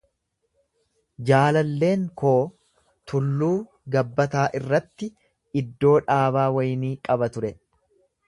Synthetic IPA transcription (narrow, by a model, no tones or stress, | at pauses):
d͡ʒaːlɐlːe̞ːŋko̞ː | t̪ʊlːuː | ɡɐbːɐt̪aːʔɪrːɐt̪ːɪ | ɪd̪ːo̞ːᶑaːβaːwɐjniːkʼɐbɐt̪ʊɾɛ